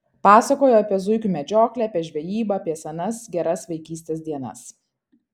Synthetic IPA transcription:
pɑːsɐkoːjoɐpʲiɛzʊɪkʲuːmʲɛd͡ʒʲoːklʲɛɐpʲiɛʒʲʋʲɛjiːbɐːpʲiɛsɐnɐsɡʲɛɾɐsʋʲɛɪkʲiːsʲt̪ʲeːsd̪ʲiɛnɐ̰s

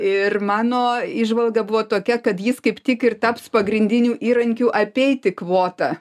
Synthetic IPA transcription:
ɪrmɑːnoːɪʒʋɐlˠɡɐbʊʋoːt̪oːkʲɛkɐt̪jɪskɐɪpt̪ʲɪkɪrt̪ɑpspɐɡɾʲɪnʲd̪ʲɪnʲuːʔiːɾɐŋʲkʲuːʔɐpʲɛɪt̪ʲɪkʋoːt̪ɐ

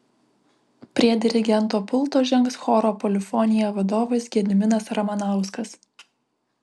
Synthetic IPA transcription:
pʲɾʲiɛd̪ʲɪɾʲɪɡʲɛnˑt̪oːpʊlˠˑt̪oːʒʲɛŋksxɔɾoːpɔlʲɪfɔnʲɪjɛʋɐd̪oːʋɐsɡʲiɛd̪ʲɪmʲɪnɐsɾɐmɐnɑˑʊskɐs

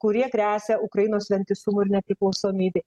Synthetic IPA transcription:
kʊɾʲiɛkɾʲæːsʲɛʊkɾɐjinoːsʋʲɛnʲt̪ʲɪsumʊɪɾnʲɛpʲɾʲɪklˠɐʊsoːmʲiːbʲɪ

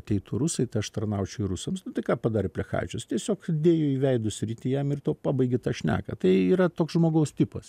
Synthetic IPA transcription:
t̪ʲɛɪt̪uɾʊsɐɪt̪ɐɪɐʃt̪ɐrnɐʊt͡ʃʲɛʊɪɾʊsɐmsnʊt̪ɐɪkɑːpɐd̪ɑːɾʲɪpʲlʲɛxɑ̰ːt͡ʃʲʊst̪ʲiɛsʲoːkd̪ʲeːjoiːʋʲɛɪd̪ʊsʲɾʲiːt̪ʲɪjɛmɪrt̪uɔpɑːbɐɪɡʲɪt̪ɑːʃʲnʲæ̰ːkɐ̰t̪ɐɪiːɾɐt̪oːksʒmoːɡɐʊst̪ʲɪpɐs

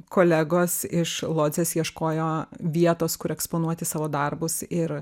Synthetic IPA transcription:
koːlʲæɡoːsɪʃlˠoːd̪zʲeːsjiɛʃkoːjoːʋʲiɛt̪oːskʊɾɛkspoːnuɔt̪ʲɪsɑːʋoːd̪ɐrbʊsɪɾ

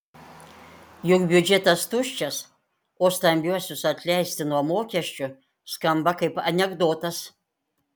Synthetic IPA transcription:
juɡbʲjud͡ʒet̪ast̪ʰuʃt͡ʃas | ost̪amʲbʲiasusat̪ʰlʲæst̪ʰinuamoːkʲaʃt͡ʃʼɨ | skambakɐjpanʲeɡd̪ot̪ʰas

